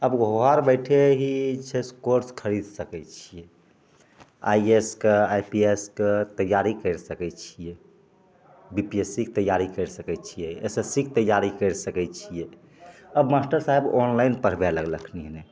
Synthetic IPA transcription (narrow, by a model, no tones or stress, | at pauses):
əbɡʱoɦaɾbəjʈʰeɦit͡ʃʰeskoɾskʰəɾid̪səkɛt͡ʃʰije | a̰ieskeajpiesket̪əjaɾikəɾsəkɛt͡ʃʰije | bipiesik̚t̪əjːaɾikəɾsəkɛt͡ʃʰijeesesik̚ʰt̪əjaɾikəɾsəkɛt͡ʃʰije | əbmasʈəɾsaɦebonlainpəɾ̤bɛləɡləkʰniɦne